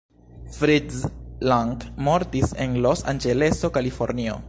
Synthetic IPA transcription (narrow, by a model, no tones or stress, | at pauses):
fɾidzlaŋtmoɾtisenlosa̰nd͡ʒele̞so̞kalifo̞ɾnio̰